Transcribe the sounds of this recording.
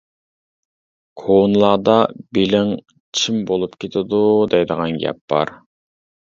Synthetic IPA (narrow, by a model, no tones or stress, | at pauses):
kʰonlˠɑːd̪ɑbelɪŋ | t͡ʃʰimbolˠupkʲet̪ʰɪd̪ud̪ɛjd̪əʁɑnɡʲɛ̰p̚bɑ̰ɾ